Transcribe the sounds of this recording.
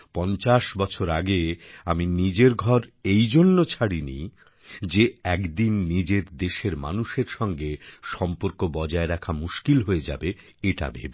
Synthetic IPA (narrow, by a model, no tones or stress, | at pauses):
pɔnt͡ɕaʃbɔt͡ɕʰoɾaɡeaminid͡ʑeɾɡʱɔɾejd͡ʑonːot͡ɕʰaɽinḭ | d͡ʑeɛkd̪inːid͡ʑeɾd̪eʃeɾma̰nuʃeɾʃɔŋɡeʃɔmpoɾkobɔd͡ʑaeɾɛkʰamuʃkilɦoed͡ʑa̰be | eʈa̰bʱḛbe